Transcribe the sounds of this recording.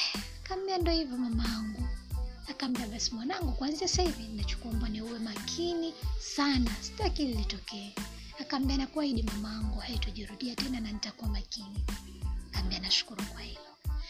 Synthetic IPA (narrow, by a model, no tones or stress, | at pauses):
kam̩biandɔhivjɔmamaaŋɡuakam̩biaɓasimwanaŋɡukwanziasahivinnat͡ʃu̥kuambanɛuwɛmakʰinisanasi̥takililitɔkɛɛ | akam̩bianakuwaiɗimamaaŋɡuaitɔʄiɾuɗiatɛnananitakuamakinikambianaʃu̥kuɾukwahilɔ